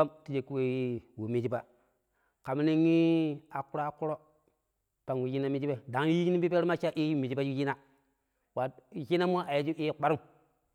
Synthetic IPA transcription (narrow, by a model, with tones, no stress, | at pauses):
a˦mti˦d͡ʒe˨kːu˦we˦ji˦wu˨mi˦d͡ʒi˦ba˦ | ka˨m˦ni˦ŋi˦a˨ku˦ɾo˦a˦ku˦ɾo˦ | pa˨ŋwu˨ji˦na˦mi˦d͡ʒi˦be˦da˨ŋ˦i˦d͡ʒi˦ni˦bi˦pe˦ɾma˦t͡ʃa˦ʔi˦ju˦mi˨d͡ʒi˦ba˦ju˦ji˦na˦ | wa˨ji˦na˦m˦o˦ʔa˨je˦d͡ʒi˦ʔi˦k͡pa˦ɾu˦